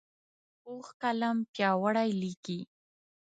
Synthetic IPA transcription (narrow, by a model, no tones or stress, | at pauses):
oxkalampjɑwaɽajliki